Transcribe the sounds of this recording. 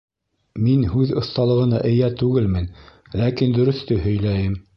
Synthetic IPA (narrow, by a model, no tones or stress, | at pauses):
minhʉðŏθt̪ɑlˠɤ̆ʁɤ̆nɑʔɘ̆jæt̪ʉɡɘlmɘn | lækind̪ɵ̆ɾɵ̆θt̪ɵhɵ̆jlæjɘm